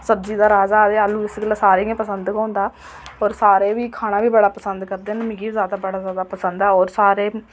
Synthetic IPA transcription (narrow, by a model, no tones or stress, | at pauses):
səbziːd̪aːɾaːzaːd̪eːaːlũːɪsɡəlasaːɾeːãːpəsənd̪kãːnd̪aː | ɔːɾsaːɾeːʋiːkʰaːɽ̃ãːʋiːbəɽaːpəsənd̪kəɾd̪eːnəmiːɡiːiːzjaːd̪aːbəɽaːzjaːd̪aːpəsənd̪ɛːɔːɾsaːɾeː